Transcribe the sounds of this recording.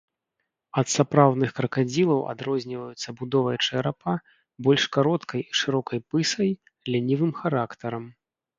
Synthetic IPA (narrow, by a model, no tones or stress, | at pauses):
ɐt̪sapɾawd̪nɨxkɾɐkad͡zʲilˠɐwa̰d̪ɾɔzʲnʲivɐjut̪sːɐbud̪ɔvɐjɐt͡ʂɨɐɾapa | bɔlʲʂkaɾɔt̪kɐjiʂɨɾɔkɐjpɨsɐj | lʲanʲivɨmxaɾakt̪ɐɾɐm